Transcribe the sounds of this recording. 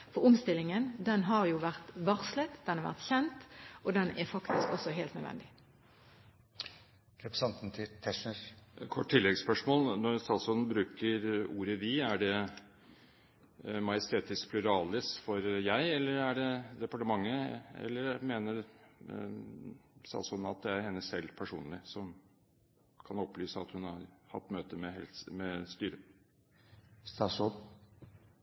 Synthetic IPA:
fɔʁʊmst̪ɪlːɪŋənd̪ɛnɦɑʁjʊːʋæʁt̪ʋɑʁslət̪d̪ɛnhɑʁʋæ̰ʁt̪çɛnt̪ʔod̪ɛnɛfɑkt̪ɪskɔsɔɦeːlt̪nœd̪ʋɛ̰nd̪ɪ | ɾɛpɾəsɑnt̪nt̪ʰɪt̪ʰɛʂəɾkʰɔʈːʈʰːɪlːɛɡspœʂmoːlnɔɾst̪ɑːsʊnbɾʉːkəɾuːɾəʋɪæɖɛ | mɑjəst̪ʰeːt̪ɪsk̚pʰlʉɾɑːlɪsfɔɾjæɪɛlːəɾæɖɛd̪ɛpɑʈəmɑŋːəɛ̰lːəɾmeːnəɾ | st̪ɑ̰ːsʊnːɑt̪̚d̪ɛæɾhɛnːəsɛlːpʰæʂuːnlɪsɔm | kʰɑnɔplyːsəɑt̪hʉnhɑɾhɑ̰t̪ːmøːt̪əmɛhɛ̰lmɛst̪yːɾə | st̪ɑsʊ

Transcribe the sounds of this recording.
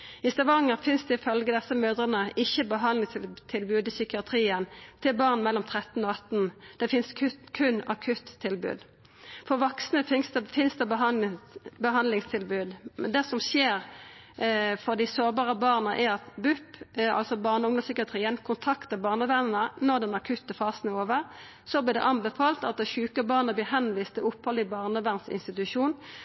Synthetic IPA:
ɪst̪ɑʋɑŋəɾfɪnsd̪ɛɪfœlɡəd̪ɛsːəmøːd̪ʁənəʔɪçːəbəɦɑnlɪt̪ʰɪlbʉːd̪ɪsʏkɪɑt̪ʰɾiːənt̪ʰɪlbɑːʁnmɛlːɔmt̪ʰʁɛt̪n̩ɔɑt̪nd̪̥ɛfɪnsʰkʰʉnɑkʰʉt̪ʰːɪlbʉ̰ːd̪ | fɔʁʋɔksnəfsfɪnsd̪ɛ | bəɦɑnlɪŋst̪ʰɪlbʉːd̪mɛ̰nd̪ɛsɔmʃeːɾ | fɔʁd̪ɪsoːbɑːʁəbɑːʁnəʔɛɑt̪bʉpːɑ̰lsɔbɑːʁnəʊŋd̪ɔmsʏkɪɑt̪ʰʁiːənkʰʊnt̪ʰɑkt̪əbɑːʁnəʋæʁnnənɔʁd̪ɛnɑkʰʉt̪ːəfɑːsnoːʋəʁ | sɔblɪːʁd̪ɛ̰ʔɑnbɛfɑːlt̪ɑt̪̚d̪ɛʃʉːkəbɑːʁnəblɪːɦɛnʋiːst̪ɪʊpʰhɔlɪbɑːʁnəʋæʁnsɪ̰nst̪ɪt̪ʉʃuːn

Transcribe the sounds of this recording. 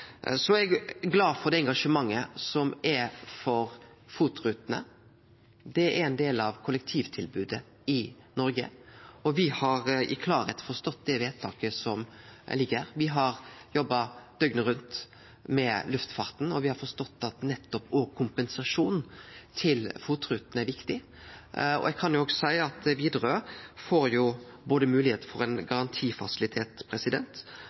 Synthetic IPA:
sɔɛɡɡlɑːfɔɾd̪ɛɛŋɡɑʂəmɑŋːəsɔmɛfɔɾ | fuːt̪ɾʉːt̪nə̰ | d̪ɛæɛnd̪eːlɑʋkʰʊlək̚t̪ʰiːʋt̪ʰɪlbʉːd̪ə | ɪ | nɔɾɡə̰ɔʋɪhɑɾɪkʰlɑːɾɛ̰t̪fɔst̪ɔt̪ːd̪ɛʋeːt̪ʰɑːkəsɔmlɪɡəɾʋɪɦɑɾjɔbːɑd̪̥œɡnəɾʉnt̪ | mɛlʉft̪fɑɾt̪n̩ɔʋɪhɑɾfɔst̪ɔt̪ːɑt̪nɛt̪ːɔpoːkʰʊmpɛnsɑʂuːnt̪ʰɪlfuːt̪ɾʉːt̪n̩æɾʋɪkt̪ɪ | ɔ̰ɛɡ̚kʰɑnjʊoːɡsæɪɑt̪ʋiːd̪ɾoːfoːɾjʊ | boːd̪əmʉːlɪheːt̪əfɔɾɛnɡɑɾɑnt̪ʰiːfɑ̰sɪlɪt̪ʰeːt̪pʰɾɛsɪd̪ɛ̰nt̪

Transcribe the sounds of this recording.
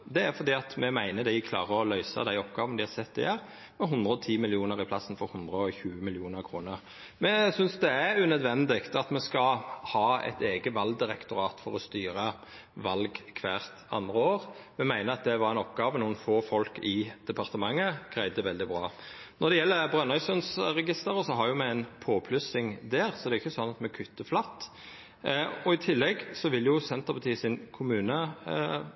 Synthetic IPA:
d̪ɛæɾfɔɾd̪iːɑt̪mɛmæɪnəd̪ɪɪkʰlɑ̰ːʁəɔlœʏsə̰d̪æɪɔpɡɑːʋənd̪ɪhɑɾsɛt̪ːɪjæɾ | mɛɦʊnd̪ɾəɔt̪ʰiːmɪlɪuːnəɾɪpʰlɑsːn̩fɔɾhʊnd̪ʁəɔçʉːəmɪlɪuːnəɾkʰʁuːnəʁ | mɛsʏnsd̪ɛæʉnœd̪ʋɛnd̪ɪɡt̪ɑt̪mɛskɑhɑːɛ̰t̪eːɡəʋɑlɡ̚d̪ɪɾɛkt̪ʊɾɑːt̪fɔɾɔst̪yːɾə | ʋɑlɡkʰʋæːʁt̪ɑ̰nd̪ʁəoːɾmɛmæɪnəɑt̪̚d̪ɛʋɑɾɛɪnɔpɡɑːʋənuːənfoːfɔlkɪd̪̥ɛpʰɑʁt̪əmɑŋːəɡ̥ʁæɪd̪əʋɛld̪ɪbʁɑ̰ː | nɔʁd̪ɛjɛlːəbɾœnɑʏsʉnsɾɛɡɪst̪əɾəsɔɦɑɾjʊmɛæɪnpʰoːpʰlʉsɪŋd̪æːʁsɔd̪ɛʊɪçːəsɔnːɑt̪mɛkʰʉt̪ːəflɑt̪ː | ɔɪt̪ʰɪlːɛɡsɔʋɪljʊsɛnt̪əʁpʰɑt̪iːsɪnkʰʊmʉːnə

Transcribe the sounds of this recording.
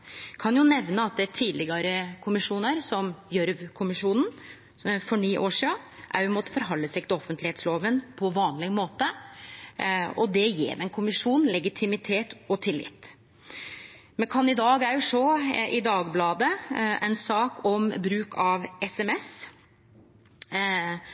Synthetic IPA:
kʰɑnjʊnɛʋnəɑt̪̚d̪ɛt̪ʰiːd̪lɪɡɑɾəkʰʊmɪʂuːnəɾsɔmjœɾʋkʰʊmɪʂuːnn | fɔɳiːʔoːʂiːɑʔæ̰ɾɪmɔːt̪ə̥fɔɾɦɑləsɛk̚t̪ɪɔfənt̪lɪheːt̪sloːʋənpʰɔʋɑːnlɪɡmoːt̪ə | ɔd̪ɛjḛːɾmɛnkʰʊmɪʂuːnlɛɡɪt̪ʰɪmɪt̪ʰeːt̪ɔt̪ʰɪlːɪ̰t̪ː | mɛnkʰɑnɪd̪ɑːɡæɾjʊsɔʔɪd̪ɑːɡblɑːd̪əʔɛ̰nsɑːkʰɔmbɾʉːkʰɑʋɛsɛmɛs

